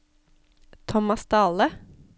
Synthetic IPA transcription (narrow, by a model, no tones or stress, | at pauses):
t̪ʰɔmɑst̪ɑːlə